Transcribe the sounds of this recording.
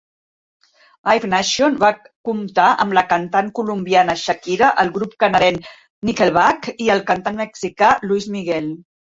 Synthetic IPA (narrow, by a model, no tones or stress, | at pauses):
ajfnaʃionβa | kumt̪aʔə̰mləkənt̪aŋkulumbianəʃəkiɾəʔəlˠɣɾup̚kənəðɛn | nikelˠβakiəlˠkənt̪anməksikaluizmiɣɛlˠ